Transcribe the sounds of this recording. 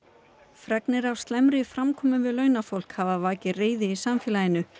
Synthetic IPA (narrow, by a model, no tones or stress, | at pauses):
fɾɛknɪɾawst̪lɛmɾɪfɾamkʰɔːmʏvɪðlœːɥnafowl̥khavavaːcɪreːjðɪisamfɛːlajɪnʏ